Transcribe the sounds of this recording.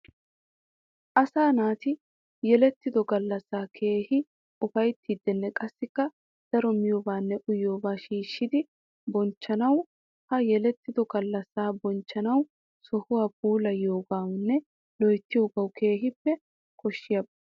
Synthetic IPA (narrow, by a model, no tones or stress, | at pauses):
ʔɐsaːnaːt̪ɪ | jɛlɛt̪ːɪd̪ɔɡɐlːɐsːaːkʰe̞ːhɪ | ʊfɐjt̪ːid̪ːɛnːɛkʼɐsːɪkːɐ | d̪̥ɐɾɔmɪjɔbaːnːɛʔʊjoːbaːʃiːʃːɪd̪ɪ | bɔnt͡ʃːɐnɐw | hɐjɛlɛt̪ːɪd̪ɔɡɐlːɐsaːbɔnt͡ʃːɐnɐw | sɔhʊwaːbuːlɐjoːɡaːwnːɛ | lɔjt̪ːɪjoːɡɐwkʰe̞ːɦɪpːɛ | kʰɔʃːɪjɐb